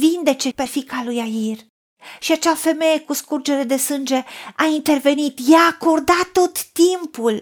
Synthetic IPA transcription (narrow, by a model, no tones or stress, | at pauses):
vind̪e̞t͡ʃe̞pe̞fikalujair | ʃiat͡ʃafe̞me̞je̞kuskurd͡ʒe̞ɾe̞d̪e̞sɨnd͡ʒe̞aint̪e̞rve̞nit̪jaːko̞rd̪at̪ːo̞t̪ːimpul